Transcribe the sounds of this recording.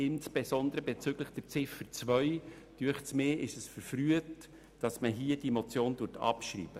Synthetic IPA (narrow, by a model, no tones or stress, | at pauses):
ɪnsb̥esɔnd̪əɾəbɛt͡syɡləχd̥ɛɾt͡sɪfəɾt͡svœʏ | d̥yəχsmeːʔɪʃəsfəɾfɾyət | d̥ɑsməɦiəd̥imɔt͡sjoːndʊːɾtʰɑ̰pʃrḭːb̥ə